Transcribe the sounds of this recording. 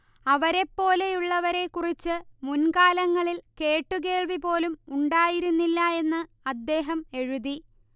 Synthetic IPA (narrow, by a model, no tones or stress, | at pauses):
ɐʋɐɾe̞pːo̞ːle̞juɭːɐʋɐɾe̞kːurit͡ɕːɨmunkaːlɐŋːɐɭilke̞ːʈːuke̞ːɭʋipo̞ːlumuɳɖaːjiɾunːilːɐe̞nːɨ | ɐd̪ːe̞ːɦɐme̞ɻuði